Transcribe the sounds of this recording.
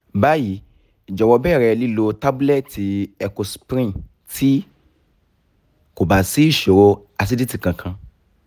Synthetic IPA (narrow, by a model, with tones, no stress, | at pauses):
ba˨˦ji˨˦ | i˨d͡ʒɔ˨wɔ˧bɛ˦˨ɾɛ˧li˦lo˧˦ta˦bu˦lɛ˦˨ti˨ɛ˧ko˧spɾĩ˦n | tʰi˦ | ko˨ba˨si˦i˦˨ʃo˨ɾo˧ | a˧s̬i˧˦di˦ti˦˨kã˧kʰã˧